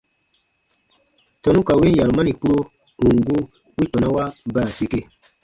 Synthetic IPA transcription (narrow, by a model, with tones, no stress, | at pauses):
tɔ˨nũ˦ka˨wi˦ja˨ɾu˨ma˦ni˨k͡pu˦ɾo˦ | u˨ŋ˨ɡu˦ | wi˦tɔ˨na˦wa˦ba˦˨se˦ke˦